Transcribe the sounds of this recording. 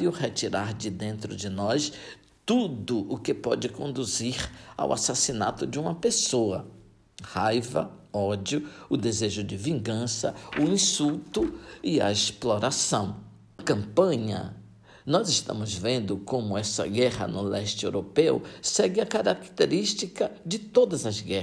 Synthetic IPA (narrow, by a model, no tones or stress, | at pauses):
iʊhet͡ʃiɾaɾd͡ʒɪd̪ẽnt̪ɾʊd͡ʒɪnɔs | t̪ud̪ʊʔʊkɪpɔd͡ʒɪkõnd̪uziɾa̰wa̰sasina̰t̪ʊd͡ʒɪũmɐpesoɐ | hajvɐɔd͡ʒiʊʊd̪ezeʒʊd͡ʒɪvĩɡɐ̃sɐʊĩsuwt̪ʊɪɐ̰esploɾasɐ̃w̃ | ɐkɐ̃pɐ̃ɲɐ̰ | nɔzɪʃt̪ɐ̰̃mʊzvẽnd̪ʊkõmʊɛsɐ̰ɡɛhɐ̰nʊlɛʃt͡ʃɪewɾopewsɛɡɪɐkaɾakt̪eɾiʃt͡ʃikɐd͡ʒɪt̪od̪ɐzɐzɡɛ